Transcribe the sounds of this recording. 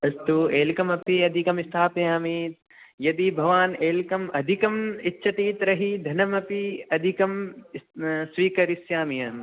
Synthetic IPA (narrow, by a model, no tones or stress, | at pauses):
ɐst̪ueːlkɐmɐpiɐd̪ʱikɐmɪst̪ʰaːpɐjaːmiːt̪̚ | jɐd̪ibʱɐʋaːneːlkɐmɐd̪ʱikɐmɪtːʃʰɐt̪iːt̪ɾɐɦid̪ʱɐnɐmɐpiɐd̪ʱikɐm | sʋiːkɐɾisjaːmijɐm